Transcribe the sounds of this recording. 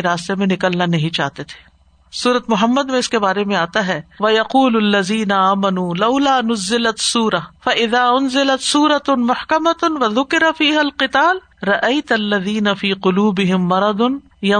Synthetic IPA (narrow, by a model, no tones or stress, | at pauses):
eɾaːst̪emẽnɪkəlnanɐɦĩt͡ʃa̰ːɦt̪et̪ʰe̥ː | suːɾət̪mʊɦəmːəd̪mẽɪskebaːɾemẽaːt̪aɦɛʋɐjɐquːlɐlːɐðiːnɐaːmɐnuːlɐʊlaːnʊzːɪlɐt̪suːɾɐfɐʔɪðaːʊnzɪlɐt̪suːɾɐt̪mʊħkɐmɐwɐðʊkɪɾafiːɦɐlqɪt̪aːl | ɾɐʔɐɪt̪ɐlːɐðiːnɐfiːqʊluːbɪɦɪmːɐɾɐd̪ʊn | jɐ